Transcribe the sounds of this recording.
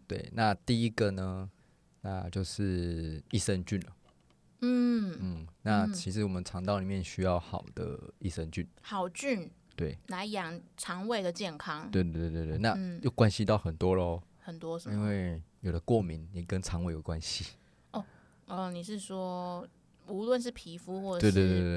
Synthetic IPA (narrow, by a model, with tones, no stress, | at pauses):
t̪wḛ˥˩ɪna˥˧t̪i˥˧i˦ɡə˨nə˨ | na˥˧t͡ɕjo˥˧ʊʂɻ̩˥˩i˥˩sə˥˧nt͡ɕy˥˩nlə˩ | n̩˥˩n̩˥˩na˥˩˧t͡ɕʰi˧˥ʂɻ̩˧˦wɔ˨˩mə˦nt͡sʰɑ˧˥ŋt̪ɑ˥˩ʊli˨˩mjɛ˥˨nɕy˥jɑ˥˩ʊxɑ˨˩ʊd̪ə̰˦i˥˩sə˧nt͡ɕy˥˩nxɑ˨˩ʊt͡ɕy˥˩nt̪we˥˩ɪla˧˥ɪjɑ˨˩ŋt͡sʰɑ˧˥ŋwe˥˩ɪd̪ə˨t͡ɕjɛ˥˩nkʰɑ˥ŋwe˥˧t̪e˥˧e˥˧t̪we˥˧t̪we˥˧na˥˨n̩˥˩jo˥˩ʊkwa˦˥nɕi˦t̪ɑ˥˩ʊxə˨˩nt̪wɔ˦lxə˨˩nt̪wɔ˥ə˨i˦nwe˥˩ɪjo˨˩ʊd̪ə˦kwɔ˥˩mi˨˦nni˨˩kə˦nt͡sʰɑ˧˦ŋwe˥˩jo˨˩kwa˦nɕi˧ | ɔ˥˩ | ə˨˩ni˨˩ʂɻ̩˥˩ʂwɔ˥ | u˧˥lwə˥˧nʂ̬ɻ̩˥˩pʰi˧˥fu˥xwɔ˥˩˨twe˥˧t̪we˥˧t̪e˥˧e˥˩